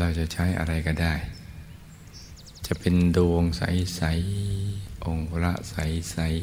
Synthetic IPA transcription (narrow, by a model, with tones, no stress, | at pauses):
ɾaː˧˩wt͡ɕa˨ʔt͡ɕʰa˦˥jʔa̰˧ɾa˧jkɔː˧˩daː˥˩j | t͡ɕa˨˩ʔpe˧ndu˧ə˧ŋsa̰˩˦jsa˨˦j | ʔo˧ŋpɾa̰˦˥ʔsa˩˦jsa˩˦j